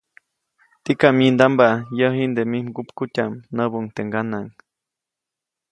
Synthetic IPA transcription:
t̪ikamind̪ambajəɦind̪emimɡupkutʲamnəbuŋt̪eŋɡanaŋ

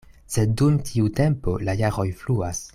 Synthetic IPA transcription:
se̞dːumtʰiute̞mpo̞lajaʁo̞jfluas

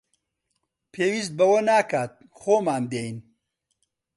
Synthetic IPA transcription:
pʰeːwist̪̚bɐwɐnaːkaːt̪̚ | xoːmaːnd̪eːjn

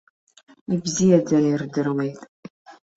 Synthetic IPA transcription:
ibzijɛd͡zɐnɪrdɨrwejtʼ

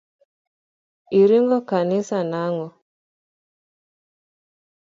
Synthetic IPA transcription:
iɾiŋɡɔkanɪsanaŋɔ

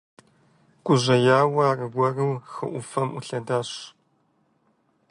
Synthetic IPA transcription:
kʷʼʊʑʷɐjaːwɐrɨɡʷɐrɨwxɨʔʷʊfɐmʊɬɐdaːɕ

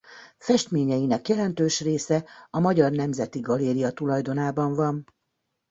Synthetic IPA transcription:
fɛʃt̪meːɲɛjinɛkjɛlɛnt̪øːʃreːsɛɒmɒɟɒrnɛmzɛt̪iɡɒleːɾiɒt̪ulɒjd̪o̞naːbɒɱvɒn

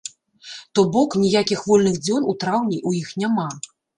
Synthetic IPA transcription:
t̪ɔbɔknʲijakʲixvɔlʲnɨɣd͡zʲɔnut̪ɾawnʲiʔujixnʲama

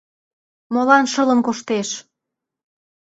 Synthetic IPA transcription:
molɑnʃə̆lə̆mkoʃt̪eʃ

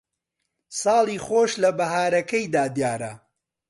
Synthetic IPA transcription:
sɑːlˠiːχoːʃlɐbɐɦaːɾɐkɐjd̪aːd̪jaːɾɐ̰

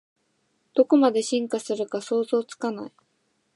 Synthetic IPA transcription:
d̪̥o̞ko̞mad̪e̞ɕĩŋkasɨɾɯ̟kaso̞ːzo̞ːt͡sɨ̥kana̰i

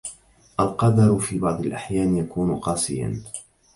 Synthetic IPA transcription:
ʔalqɑd̪ɑɾˤfiːbɑʕd̪ˤɪlʔaħjaːnjakuːnqɑːsˤɪ̰ja̰n

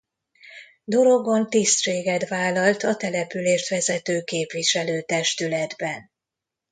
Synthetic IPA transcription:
d̪o̞ɾo̞ɡo̞nt̪ist̪ʃeːɡɛt̪ʋaːlɒlt̪ɒt̪ɛlɛpyleːʃt̪ʋɛzɛt̪øːkeːpʋiʃɛløːt̪ɛʃt̪ylɛd̪bɛn

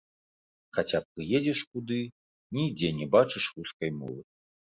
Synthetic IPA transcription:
xat͡sʲap̚kɨjed͡zʲɛʂkud̪ɨ | nʲid͡zʲɛnʲɛbat͡ʂɨʂruskɐjmɔ̰vɨ

